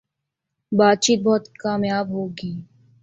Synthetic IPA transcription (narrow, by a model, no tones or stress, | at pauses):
baːt̪̚t͡ʃiːt̪̚bɔːt̪kaːmjaːbɦoːɡiː